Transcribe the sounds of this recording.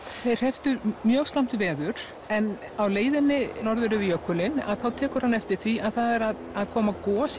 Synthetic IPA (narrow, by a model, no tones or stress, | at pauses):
θej̥ɛft̪ʏɾmjœːɣst̪am̥t̪vɛːðʏɾ̥ | ɛn | awleːjðɪnːɪnɔɾðʏɾɪvɪjœkːʏlɪna̰ðθawt̪ʰɛːkʏɾ̥hanːɛft̪ɪɾ̥θviaðθaðɛɾað | aðkʰɔːmakɔːs